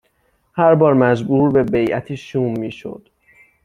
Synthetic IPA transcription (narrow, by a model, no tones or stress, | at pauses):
hæɾbɒːɾmæzbuːɾbe̞bejʔæ̰t̪ʰiːʃuːmːiːʃo̰d̪̥